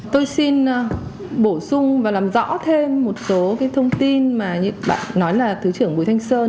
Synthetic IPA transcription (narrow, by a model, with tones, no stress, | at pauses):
t̪o˧jsi˧n˧ | ɓo˧˩sʊ˧ŋ͡mvaː˨˩laː˨˩mzɔ̰˧˥t̪ʰe˧mːo˨˩t̚so˨˦kaː˨˦jt̪ʰə˧wŋ͡mt̪i˧nmaː˨˩ɲɨ̰˧˥ɓa̰ː˧˨nːɔ˨˦jlaː˨˩t̪ʰɨ˨˦t͡ɕɨ˧˩əŋɓu˨˩˦jt̪ʰa˧jŋ̟səː˧